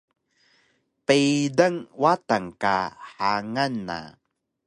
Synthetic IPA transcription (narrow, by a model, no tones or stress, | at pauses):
pejdəŋwataŋka̰ħaŋanːa̰